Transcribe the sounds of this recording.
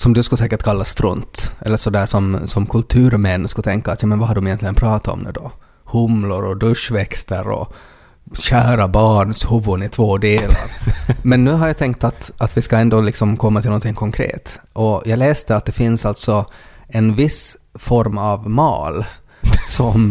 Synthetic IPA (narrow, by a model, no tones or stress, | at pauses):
sɔmd̪ɵskɵsɛːkəʈkʰalːast̪ɾɵ̰nt̪ɛ̰lːəʂɔd̪æːʂɔmsɔmkʰɵlt̪ʰʉ̟ːɾmɛnːskat̪ʰɛŋkaːt̪jɑːmɛnvahadɖɔmɪjɛnt̪lɪɡənpʰɾɑːt̪aɔ̰md̪ɛ̰d̪ɔ̰ | hʊmlʊɾɔd̪ɵʂvɛkst̪əɾɔ̰ | ɕæːɾabɑːɳshʊvʊnɪt̪ʰvoːd̪eːla̰ɾmɛnːʉ̟ːɦaɾjat̪ʰɛŋk̚t̪at̪at̪vɪskaɛnd̪oːlɪksɔmkʰɔmːat̪ʰɪlnɔnt̪ɪŋːkʰɔŋkʰɾḛːt̪ʔɔjɑːɡlɛːst̪əat̪̚d̪ɛfɪnsalt̪sɔɛnvɪs | fɔɾmavmɑ̰ːl | sɔm